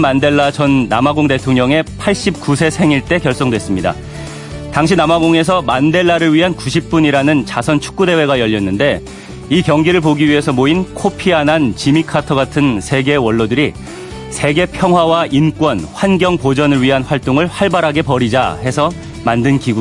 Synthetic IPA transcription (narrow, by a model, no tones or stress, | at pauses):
mande̞ɭːat͡ɕʌnːamaɡoŋte̞tʰoŋɲʌŋe̞pʰaɭɕ͈ip̚k͈usʰe̞sʰe̞ŋiɭt͈e̞kjʌɭs͈oŋdwe̞s͈ɯmɲida̰ | taŋɕ̬ʰinamaɡoŋe̞s̬ʰʌmande̞ɭːaɾɯɭɥiɦankuɕʰip̚p͈uɲiɾanɯnt͡ɕasʰʌnt͡ɕʰu̥k̚k͈ude̞we̞ɡajʌʎːʌnːɯnde̞ | ikjʌŋɡiɾɯɭpoɡiɥiɦe̞sʰʌmoinkʰopʰianant͡ɕimikʰatʰʌɡatʰɯnsʰe̞ɡe̞wʌɭːʌdɯɾi | sʰe̞ɡe̞pʰjʌŋɦwawaʔink͈wʌnɸwanɡjʌŋpod͡ʑʌnɯɭɥiɦanɸwaɭt͈oŋɯɭɸaɭbaɾɦaɡe̞pʌɾid͡ʑa̰ɦe̞sʰʌ | mandɯnkiɡu